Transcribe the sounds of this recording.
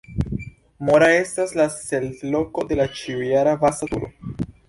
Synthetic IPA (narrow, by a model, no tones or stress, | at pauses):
mo̞ɾae̞staslasello̞ko̞d̪e̞lat͡ʃiujaɾavasat̪ṵɾo̰